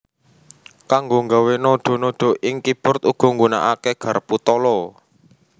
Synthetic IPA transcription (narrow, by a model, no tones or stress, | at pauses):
kaŋɡoŋɡawenɔɖ̥ɔ̤nɔɖ̥o̤ʔɪŋkib̥ʊ̤rt̪uɡ̥ɔ̤ŋɡuna̰ʔakeɡ̥a̤rput̪ɔlɔ